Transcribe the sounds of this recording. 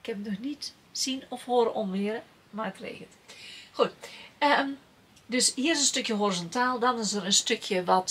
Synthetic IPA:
kʰɛtənɔxnit | sinɔfhoːɾəʔɔmʋɪəɾə | maːtrḛːɣətxutə | døshiːəɾɪsənstøkjəɦorizɔntʰaːlˠdɔnɪsəɾənstøkʰjəʋɔt

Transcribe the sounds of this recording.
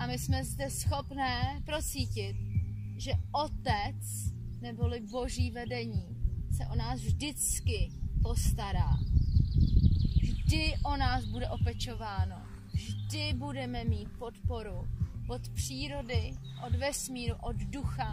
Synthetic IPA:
ʔamɪsmɛzdɛsxo̞pnɛːpɾo̞t͡siːcɪt̪̚ | ʒɛʔo̞t̪ɛt͡s | nɛbo̞lɪbo̞ʒiːvɛdɛɲiːsɛʔo̞naːsvʒdɪt͡skɪpo̞st̪aɾaː | ʒdɪʔo̞naːzbudɛʔo̞pɛt͡ʃo̞vaːno̞ | vʒdɪbudɛmɛmiːt̪̚po̞t̪po̞ɾuvo̞t̪pr̝̥iːɾo̞dɪ | ʔo̞d̪vɛsmiːɾuʔod̪duxa

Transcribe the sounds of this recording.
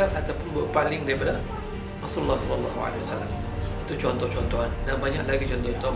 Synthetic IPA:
aʔat̪awpʊnbuʔpalɪŋdaɾipada | rasululːahsɔlɔlːɑɦua̰lewasalːam | it̪ut͡ʃɔnt̪ɔht͡ʃɔnt̪ɔɦandanbaɲa̰ʔlaɡit͡ʃɔnt̪ɔt̪ɔ

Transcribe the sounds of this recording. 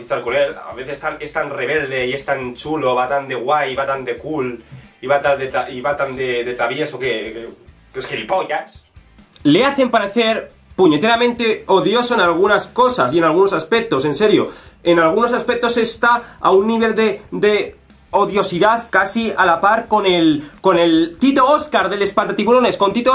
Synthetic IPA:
iθalkulela̰βeθest̪anest̪anre̞β̞e̞ld̪e̞ie̞st̪ant͡ʃuloβat̪and̪e̞ɣwajiβat̪and̪e̞kuliβat̪ad̪et̪aʔiβat̪and̪eðet̪aβjeso̞keke | kesxelipojas | leaθe̞mpaɾeθe̞ɾ | puɲe̞t̪e̞ɾamẽnt̪e̞o̞ðjo̞so̞enalɣ̞unasko̞sasie̞nalɣuno̞saspe̞k̚t̪ose̞nse̞ɾjoenalɣ̞uno̞saspe̞k̚t̪o̞se̞st̪aa̰unːiβ̞e̞ld̪ed̪e̞ | o̞ðjo̞siðaθkasialapaɾko̞nelko̞ne̞lt̪it̪ooskaɾðe̞le̞spald̪at̪iβuɾo̞ne̞sko̞nt̪it̪o

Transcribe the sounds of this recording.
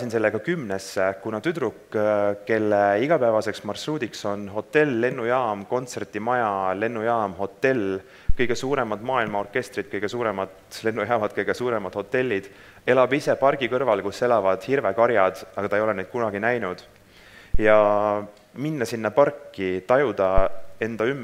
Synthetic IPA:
sinselːeɡ̥ɑkymnesːekunɑt̪yd̪ɾukːke̞lːeiɡ̥ɑpævɑse̞ksmɑrsuːd̪ikso̞nɦo̞t̪ːe̞lːe̞nːujɑːmko̞nt̪se̞rt̪imɑjɑle̞nːujɑːmɦo̞t̪ːe̞l | kɤjɡ̥e̞suːɾe̞mɑd̪mɑːilmɑorkːˑe̞st̪rid̪̥̚kɤjɡ̥e̞suːɾe̞mɑt̪le̞nːujɑːmɑd̪̥̚kɤjɡ̥esuːɾe̞mɑd̪̥ho̞t̪ːe̞lʲːid̪̥ | e̞lɑbise̞pɑrɡ̥ikɤrvɑlkuse̞lɑvɑd̪̥hirvekɑɾjɑd̪̥ɑɡ̥ɑt̪ɑejo̞lened̪̥kunɑɡ̥inæjnud̪̥ | jɑ | minːɑsinːɑpɑrkːit̪ɑjud̪̥ɑe̞nd̪̥ɑymː

